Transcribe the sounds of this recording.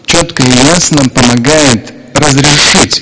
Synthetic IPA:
t͡ɕot̪kəɪjasnəpəmɐɡajɪt̪ | rəzɾʲɪʂɨtʲ

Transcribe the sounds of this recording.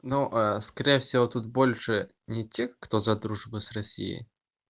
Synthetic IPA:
noʔaskɐɾʲejəfsʲɪvot̪ut̪̚bo̞lʲʂɨ | nʲɪtʲexkt̪ozɐd̪ɾuʐbʊsrɐsʲḭjɪ̰

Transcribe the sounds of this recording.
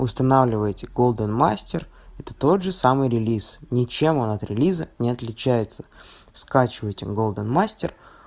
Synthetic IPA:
ʊst̪ɐnavlʲɪvəjtʲɪɡo̞lˠd̪ənmasʲtʲɪr | ɛt̪ə̥t̪o̞d̪ʐɨsamɨjɾʲɪlʲisnʲɪt͡ɕe̞mo̞nɐt̪ɾʲɪlʲizənʲɪɐt̪lʲɪt͡ɕæjɪt̪sə̥ | skat͡ɕɪvəjtʲɪɡo̞lˠd̪ənmasʲtʲɪ̰r

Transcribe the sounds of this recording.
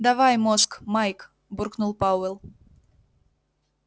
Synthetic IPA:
d̪avajmoskmajk | burknulˠpɑwɛlˠ

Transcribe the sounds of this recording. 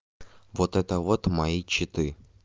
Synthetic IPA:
vot̪ɛt̪əvot̪majit͡ɕːɪt̪ɨ

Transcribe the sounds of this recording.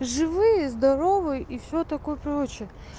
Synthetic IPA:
ʐɨvɨjəzd̪ɐɾo̞vɨjʔifsʲot̪ɐko̞jəpɾot͡ɕɪə

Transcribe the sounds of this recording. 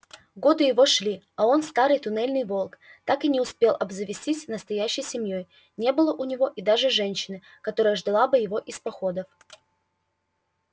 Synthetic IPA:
ɡo̞d̪ɨjɪvo̞ʂlʲi | ɐo̞nst̪aɾɨjt̪ʊnɛlʲnɨjvo̞lˠkt̪akɨnʲɪʊspʲe̞lˠʔɐbzəvʲɪsʲtʲisʲnəst̪ɐjæɕːɪjsʲɪmʲjo̞j | nʲe̞bɨlˠəʔʊnʲɪvo̞ʔid̪aʐɨʐɛnʲɕːɪnɨ | kɐt̪o̞ɾəjəʐd̪ɐlˠabɨjɪvo̞ʔɪspɐxo̞d̪əf

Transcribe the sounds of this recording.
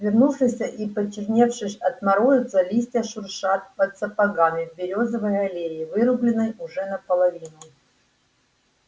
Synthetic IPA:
vʲɪrnufʂɨsʲəʔipət͡ɕːɪrʲnʲefʂɨsʲɐt̪mɐɾujʊt̪səlʲisʲtʲəʂʊrʂat̪̚pət̪səpɐɡamʲɪvbʲɪɾʲo̞zəvɨjɐlʲeɪvɨɾʊblʲɪnɨjʊʐɛnəpəlˠɐvʲinʊ

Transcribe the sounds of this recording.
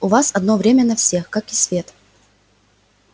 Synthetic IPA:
ʊvasɐd̪no̞vɾʲemʲənɐfsʲe̞xkakɪsvʲe̞t̪

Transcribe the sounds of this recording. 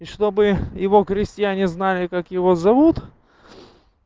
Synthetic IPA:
iʂt̪o̞bɨjɪvo̞xɾʲɪsʲtʲɪjænʲɪznalʲɪkakjɪvo̞zɐvut̪

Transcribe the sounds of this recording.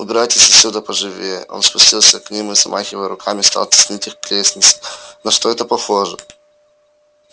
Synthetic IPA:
ʊbʲɪɾajtʲɪsʲfsʲud̪əpəʐɨvʲej̰ʔo̞̰nspʊsʲtʲilˠsʲəknʲimɨzɐmʔaxʲɪvəjəɾʊkʰamʲɪst̪a̰lˠt̪ʲɪ̥sʲnʲitʲixklʲesʲnʲɪt̪sɨ̥nɐʂt̪oɛt̪əpɐxoʐɨ

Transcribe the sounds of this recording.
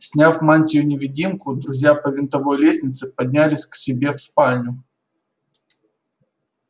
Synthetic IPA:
sʲnʲafmanʲtʲɪjʊnʲɪvʲɪdʲimkʊd̪ɾʊzʲjapəvʲɪnt̪ɐvo̞jlʲesʲnʲɪt̪sɨpɐd̪ʲnʲælʲɪsʲksʲɪbʲe̞fspalʲnʲʊ

